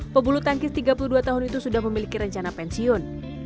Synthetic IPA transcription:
pəbulut̪aŋkɪst̪iɡapuluduat̪aɦʊnit̪usudahməmilikiɾəɲt͡ʃanapɛnsiɔn

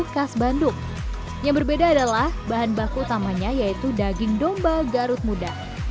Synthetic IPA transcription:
kasbandʊk̚ | jaŋbərbedaːdalahbaɦanbakuːt̪amaɲajait̪udaɡɪŋdɔmbaɡaɾʊt̪̚muda

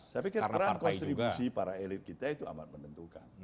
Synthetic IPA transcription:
t̪apikəəɾankɔnt̪ɾibusipaɾaelɪt̪̚kit̪ait̪ua̰ma̰t̪̚mənənt̪uka̰n

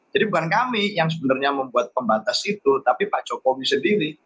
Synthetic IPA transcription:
d͡ʒ̥adibukankamijaŋsəbənarɲaməmbuat̪̚pəmbat̪asit̪ut̪apipḁt͡ʃokomisəndiɾi

